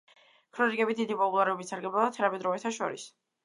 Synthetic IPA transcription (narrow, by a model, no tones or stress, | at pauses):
kʰɾɔnikʼɛbid̪id̪ipʼɔpʼulˠaɾɛɔbit̪saɾɡɛblalˠat̪ʰanamɛd̪ɾɔvɛt̪ʰaʃɔ̰ɾḭs